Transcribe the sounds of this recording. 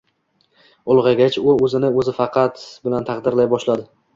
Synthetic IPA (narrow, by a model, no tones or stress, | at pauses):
ʊlˠʁɑɡʲat͡ʃʊɵzɪnɪɵzɪfɑqʰɑt̪bɪlant̪ʰɑqd̪ɪɾlajbɒʃlad̪ɪ